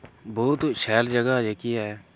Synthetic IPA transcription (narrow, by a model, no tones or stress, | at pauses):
boːt̪ʃɛːld͡ʒəɡaːd͡ʒekiːɛː